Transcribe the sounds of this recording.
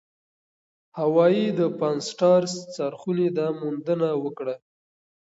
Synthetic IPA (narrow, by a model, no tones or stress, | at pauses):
hawɑjid̪əpɑnsʈɑɾst͡saɾxuned̪ɑmund̪ənawəkɽa